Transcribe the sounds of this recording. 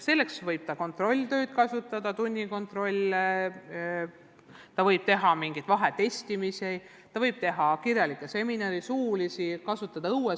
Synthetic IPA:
se̞lːe̞ksvɤjb̥t̪ɑko̞nt̪ro̞lʲːt̪ø̞ːd̪̥kɑsut̪ːˑɑd̪̥ɑt̪unʲːiko̞nt̪ro̞lʲ | t̪ɑvɤjb̥̚t̪e̞ɦɑmiŋɡ̥id̪̥vɑɦet̪e̞sʲt̪imisi | t̪ɑvɤjb̥̚t̪e̞ɦɑkirjɑlikːˑese̞minɑɾisuːlisikɑsut̪ːˑɑd̪̥ɑuwe

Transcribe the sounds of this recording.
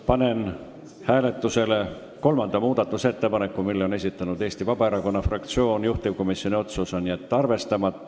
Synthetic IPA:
pɑne̞n | hæːle̞t̪ːˑuse̞le̞ | ko̞lmɑnd̪̥ɑmuːd̪̥ɑt̪ˑːuse̞t̪ːe̞pɑne̞kːˑumilːeo̞ne̞s̬ʲit̪ːˑɑnud̪e̞ːsʲt̪ivɑb̥ɑeɾɑko̞nːɑfrɑkt̪sio̞ːnjuht̪ivko̞misjonʲio̞t̪susonːiet̪ːɑrve̞st̪ɑmɑt̪ːˑ

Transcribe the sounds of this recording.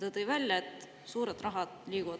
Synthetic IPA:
t̪ɑt̪ɤjvælʲjɑet̪ | suːɾed̪̥rɑɦɑd̪̥liːkuvɑ̥

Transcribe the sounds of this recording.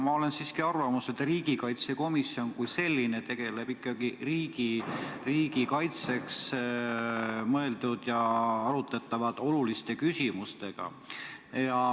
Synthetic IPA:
mɑo̞le̞nsiːskiɑrvɑmuse̞t̪ˑriːɡikɑjt̪se̞ko̞misio̞nkujse̞lʲːinet̪e̞ɡ̥e̞le̞b̥ikːˑɑɡ̥iriːɡ̥iriːɡ̥ikɑjt̪se̞ks | mɤe̞ld̪ud̪̥jɑɑɾut̪ːˑɑt̪ːˑɑvɑd̪̥o̞lulist̪e̞kysimust̪e̞ɡ̥ɑ̰ | jɑ

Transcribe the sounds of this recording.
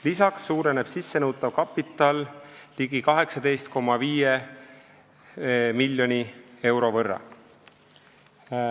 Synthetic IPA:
lisɑksːuːɾe̞ne̞b̥sisːe̞nɤwt̪ˑːɑvkɑpːit̪ːˑɑlliɡ̥ikɑɦe̞ksɑd̪e̞jst̪̚ko̞mːɑviːje | milʲːjo̞nie̞wɾo̞vɤrːɑ̰

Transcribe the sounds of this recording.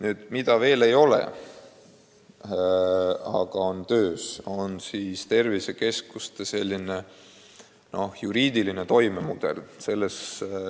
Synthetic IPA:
nyːd̪̥mid̪̥ɑve̞ːle̞jo̞lḛ | ɑ̰ɡ̥ɑo̞nt̪øːsonsiːst̪e̞rvise̞ke̞skust̪ese̞lʲːine̞ | no̞hjuɾiːd̪̥iline̞t̪o̞jme̞mud̪̥e̞̰lse̞lːes

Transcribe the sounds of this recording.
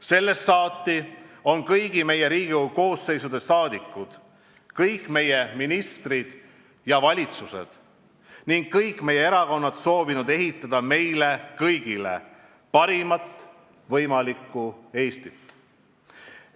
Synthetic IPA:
se̞lːe̞sːɑːt̪ːio̞nkɤjɡ̥ime̞je̞ɾiːɡ̥iuko̞ːsːe̞jsud̪̥e̞sɑːd̪ikːˑud̪̥ | kɤjkːˑme̞je̞minist̪rid̪̥ | jɑvɑlʲit̪suse̞̰d̪̥ | niŋɡkːɤjkːˑme̞jːeeɾɑko̞nːɑt̪so̞ːvinud̪e̞ɦit̪ːˑɑd̪̥ɑme̞jle̞kɤjɡ̥ile̞̰ | pɑɾimɑt̪ː | vɤjmɑlikːˑue̞ːst̪it̪ː

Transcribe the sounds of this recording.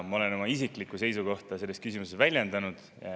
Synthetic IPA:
mɑo̞le̞no̞mɑis̬iklikːˑuse̞jsuko̞ht̪ɑse̞lːst̪̚kysimusest̪vælʲjend̪̥ɑnud̪̥ | jɑ̰

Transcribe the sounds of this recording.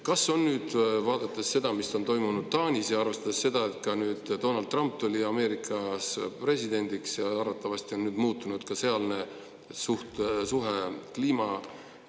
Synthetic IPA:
kɑsːo̞nːyːd̪̥vɑːd̪̥ɑt̪ːˑesːe̞d̪ɑmiso̞nt̪o̞jmunud̪̥̚t̪ɑːnʲisjɑɑrve̞st̪ɑd̪̥esːe̞d̪̥ɑe̞t̪̚kɑnyːd̪̥d̪o̞ːnɑld̪ːˑrɑmp̚t̪uliɑme̞ːɾikʰˑɑspre̞sid̪̥e̞nd̪iksjɑɑrvɑt̪ːˑɑvɑst̪io̞nnyːd̪muːt̪ːˑunud̪̥kɑse̞ɑlne̞ | suht̪suɦe̞kliːmɑ

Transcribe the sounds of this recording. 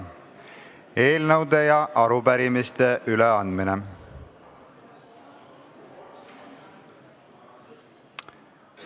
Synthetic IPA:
e̞ːlnɤwd̪e̞jɑʔɑɾupæɾimist̪e̞ʔyleɑnd̪̥mine

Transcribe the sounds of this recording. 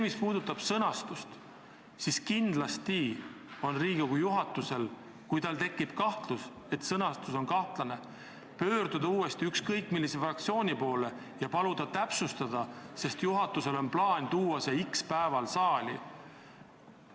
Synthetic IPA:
emispuːd̪̥ut̪ːˑɑb̥sɤnɑst̪ust̪ | siskind̪̥lɑst̪i | o̞nriːɡ̥oɡujuɦɑt̪ːˑuse̞l | kujt̪ɑlt̪e̞kːib̥kɑht̪lus | e̞t̪sɤnɑst̪uso̞nkɑht̪lɑne̞ | pø̞ːɾd̪̥ud̪ɑuːe̞st̪iykskɤjkˑːmilːise̞frɑk̚t̪sio̞ːnʲipo̞ːle̞ | jɑpɑlud̪̥ɑt̪æpsust̪ɑd̪̥ɑse̞st̪juɦɑt̪ːˑuse̞lo̞nplɑːnʲt̪uːwɑse̞ikspæevɑlsɑːli

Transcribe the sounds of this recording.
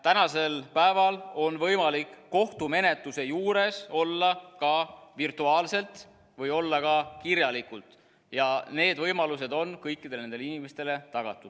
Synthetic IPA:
t̪ænɑse̞lpæevɑlo̞nvɤjmɑlikːo̞ht̪ume̞ne̞t̪luse̞juːɾe̞so̞lːɑkɑvirt̪uɑːlse̞lt̪ | vɤjo̞lːɑkɑkiɾjɑlikult̪ˑ | jɑne̞ːd̪vɤjmɑluse̞d̪o̞nkɤjkːid̪̥e̞lne̞nd̪e̞inimest̪e̞le̞t̪ɑɡ̥ɑ̰t̪ːˑu̥

